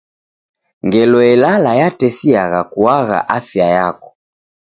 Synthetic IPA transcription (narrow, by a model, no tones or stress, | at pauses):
ŋɡɛlɔɛlalajatɛsiaɣakuaɣa̰ʔafjajakɔ̥